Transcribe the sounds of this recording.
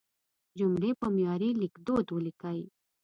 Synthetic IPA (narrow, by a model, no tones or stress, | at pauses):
d͡ʒʊmɽepɐmjɑːɾilɪkd̪oːd̪wulikai